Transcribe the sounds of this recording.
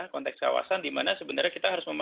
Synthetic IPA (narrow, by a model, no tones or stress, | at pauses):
hkɔnt̪ɛkska̰wa̰sandimanasəbənarɲakit̪aɦaɾʊsməma